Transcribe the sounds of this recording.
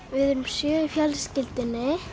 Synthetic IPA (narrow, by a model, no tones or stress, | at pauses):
vɪðʏmsjœːʏfjɛlscɪlt̪ɪnːɪ